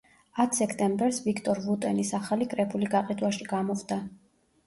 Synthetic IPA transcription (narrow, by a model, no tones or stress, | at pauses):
at̪ʰsɛkʰt̪ʼɛmbɛɾsvikʰt̪ʼɔɾvut̪ʼɛnisaχalikʼɾɛpʰuliɡaqʼid̪waʃiɡamɔvd̪a